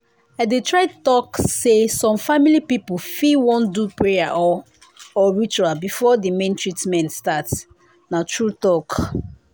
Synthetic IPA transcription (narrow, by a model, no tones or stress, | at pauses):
aɪdetʰɹaɪtɔksesɔ̃mfamilipipufiwɔ̃ndupɹeaʔɔ | ɔɹit͡ʃualbifɔdimẽntʰɹitmɛ̃ntstat | natʰɹutɔk